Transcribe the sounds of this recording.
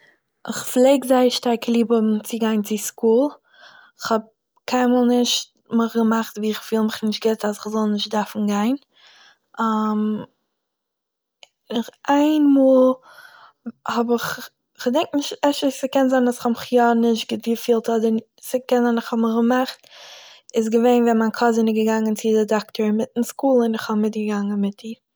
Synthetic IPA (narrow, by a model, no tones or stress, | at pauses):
ʔɪχflˠeɪɡzaɪʃtaɾklˠiːbəmt͡sɪɡaɪnt͡sɪskuːlˠ | ɪχhɔb̚ | kʰaɪnmuːlˠnɪʃt̚ | məχɡəmaχtviːɪχfiːlˠmɪχnɪʃt̚ɡɪtasɪχzɔlˠnɪʃt̚daɾfn̩ɡaɪn | am | ɪχʔaɪnmuːlˠ | hɔbɪχ | ɪχdɛŋk̚tnɪʃtɛʃəsəkɛnzaɪnasɪ̥χhɔmɪχjɔnɪʃtɡɪtvifiːlˠtɔdə | səkɛnzanɪχhɔbmɪχɡəmaχt | ɪs̬ɡəveɪnvɛmaɪnkʰɔzɪnɪɡəɡaŋənt͡sɪdɪdaktəɹmɪtn̩skuːlˠɪnɪχhɔbmɪt̚ɡəɡaŋənmɪtiː